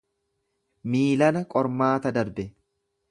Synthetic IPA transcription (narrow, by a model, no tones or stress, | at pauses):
miːlɐnɐkʼɔɾmaːt̪ɐd̪ɐɾbɛ